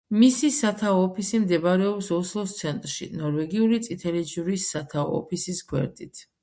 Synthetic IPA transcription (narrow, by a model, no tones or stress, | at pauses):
misisat̪ʰaɔːpʰisimd̪ɛbaɾɛɔpsɔslˠɔst̪sʰɛnt̪ʼɾʃḭnɔɾvɛɡiulit̪sʼit̪ʰɛlɛd͡ʒuɾisːat̪ʰaɔ̰ːpʰisiskʰwɛ̰ɾt̪ʼit̪ʰ